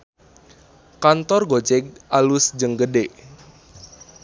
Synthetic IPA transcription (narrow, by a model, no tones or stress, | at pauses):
kant̪ɔrɡot͡ʃɛk̚ʔalʊsd͡ʒəŋɡədeʔ